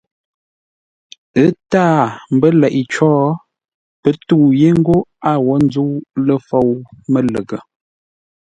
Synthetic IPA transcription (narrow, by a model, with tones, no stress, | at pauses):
ə˦taː˦˨m̩˨bə˦lɛ˨ʔi˨t͡ʃɔː˦ | pə˦tu˦˨je˦ŋ̩˦ɡo˦a˦˨wɔ˨˦n˦d͡zu˦lə˦fo˦˨wmə˦lə˨ɡə˨